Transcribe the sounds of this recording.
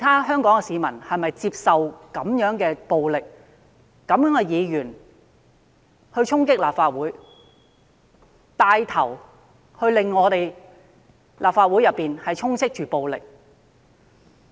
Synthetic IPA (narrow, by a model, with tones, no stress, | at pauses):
t̪ʰaː˥ɦœː˥ŋkɔː˨˥ŋkɛ˧siː˨˧mɐ˨˩nhɐ˨jmɐ˨jt͡siː˧˥p̚sɐ˨wkɐ˨˥mjœː˨˥ŋkɛː˧po˨˧wlɪ˨k̚ː | ɐ˨˥mjœː˨˥ŋkɛ˧jiː˨˧jyː˨˩n | hɵ˧t͡sʰʊ˥ŋkɪ˥k̚laː˨p̚faː˧t̚wuː˨˥j | t̪aː˧jt̪ʰɐ˨˩w | hɵ˧ɥlɪ˨ŋːɔː˨˧t̪e˨j | lʔaː˨p̚faː˧t̚wuː˨˥jɐ˨pːiː˨nhɐ˨jt͡sʰʊ˥ŋt͡sʰɪ˥k̚t͡ʃyː˨po˨˧wlɪ̰˨k̚